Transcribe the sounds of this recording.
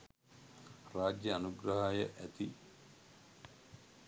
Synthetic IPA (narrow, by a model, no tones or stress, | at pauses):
raːd͡ʒjəanuɡɾɐɦajəʔæt̪i